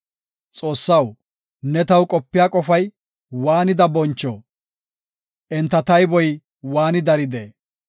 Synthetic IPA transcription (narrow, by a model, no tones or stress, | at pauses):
t͡sʼo̞ːsːɐw | nɛt̪ɐwkʼɔpːɪjaːkʼɔfɐj | waːnɪd̪ɐbɔnt͡ʃːɔ̰ː | ʔɛnt̪ːɐt̪ɐjbɔj | waːnɪd̪ɐɾɪd̪ḛː